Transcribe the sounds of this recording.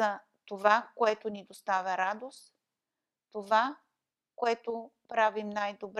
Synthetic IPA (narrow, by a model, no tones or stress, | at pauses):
ɐ | t̪ovakoɛt̪onid̪ost̪avʲɐɾad̪ost̪ | t̪ova | koɛt̪opɾavimnajd̪obɾ